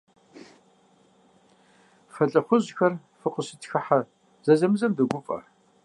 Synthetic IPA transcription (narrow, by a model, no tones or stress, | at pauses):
fɐɬʼɐχʷʊʑxɐr | fɨqʼəsɨtxɐħa | z̥ɐzɐmɨzɐmdɨɡʷʊpʼɐ̰